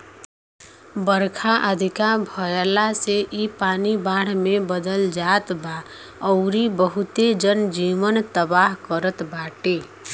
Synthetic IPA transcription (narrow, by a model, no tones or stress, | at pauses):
bəɾkʰaʔəd̪ʱikabʱɔjelaseʔipanibaɽ̤mebəd̪əld͡ʒat̪ba | ɔʊɾibəɦut̪ed͡ʒənd͡ʒiʋənt̪əbaɦkəɾət̪baʈe